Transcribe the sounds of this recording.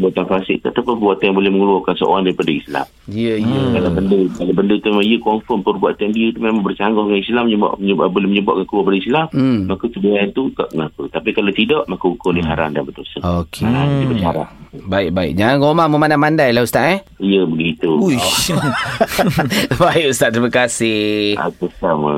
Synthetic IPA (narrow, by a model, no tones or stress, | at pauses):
bat̪anfasɪ̰k̚t̪ːt̪apabuat̪jaŋbolɛhməŋəluɔkansəʔo̰ɾaŋdaɾipadaisla̰mijəijəkaabəndəkalabəndət̪umemãŋiəkɔmfɔmpərbuaʔ̪andiət̪umemãŋbərt͡ʃaŋɡɔhəŋanislamə̰bolɛhməɲəba̰ʔ̚kankuluapadaislam̩ːakut̪əbəajant̪ut̪a̰ʔəŋakut̪apikalawt̪idɔʔmakuukʊlɪɦaɾa̰ndanbət̪ʊlsəŋokʰeand̪bət͡ʃaɾa̰ʔbaɪk̚baɪ̰ʔ̚d͡ʒaŋanɣomahməmandamandajlahust̪aʔɛijəbəɡit̪uu | baiʔust̪aʔt̪ɾimakasɪa̰t̪əsamə